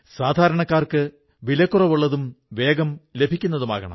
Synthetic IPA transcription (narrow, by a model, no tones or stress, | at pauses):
saːd̪ʱaːɾɐɳɐkːaːrkɨ | ʋilɐkːurɐʋuɭːɐðumʋe̞ːɡɐmle̞bʱikʲːunːɐðuma̰ːɣɐɳɐ̰mm